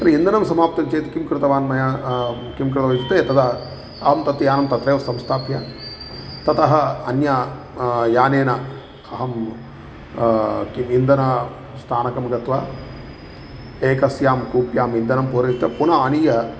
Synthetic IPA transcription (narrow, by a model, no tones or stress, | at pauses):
t̪ɾɐind̪ɐnɐmsɐmaːpt̪ɐmt͡ʃeːt̪i̥kimkɾɪt̪ɐʋaːnmɐja | kimkɾɪt̪ɐʋɐjt͡ʃut̪eːt̪ɐt̪ɐ | ɐɦɐmt̪ɐt̪ːijaːnɐmt̪ɐt̪ɾeːʋɐsɐmst̪ʰaːpja | t̪ɐt̪ɐɦɐɐnja | jaːneːnɐ | ɐɦɐm | kimind̪ɐnɐ | st̪ʰaːnɐkɐmɡɐt̪ʋaː | eːkɐsjaːmkuːpjaːmind̪ɐnɐmpoːɾɐt̪jɐpunɐaːnijɐ